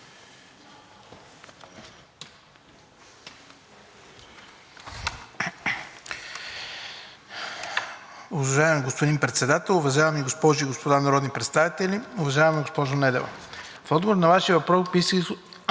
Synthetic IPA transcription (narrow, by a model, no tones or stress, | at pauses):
ʊvɐʒavmɛɡospod̪inpɾɛt̪sɛd̪at̪ɛlˠʊvɐʒavɐmiɡospɔʒiiɡospod̪anɐɾɔd̪nipɾɛt̪st̪avit̪ɛliʊvɐʒavɐmɛɡospɔʒonɛd̪ɛvɐ̰ | fɔd̪ɡovoɾnɐvaʃiəvɐpɾɔkbis